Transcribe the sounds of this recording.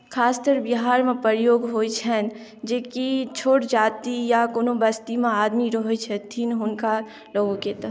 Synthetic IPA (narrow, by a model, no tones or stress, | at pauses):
kʰaːst̪əɾbiɦaːɾmẽpəɾjoːɡɦoːit͡ʃʰɛn | d͡ʒeːkit͡ʃʰoːʈd͡ʒaːt̪ijakoːnobəst̪imẽaːd̪miɾəɦjt͡ʃʰɛt̪ʰinɦʊnka | loːɡõket̪ə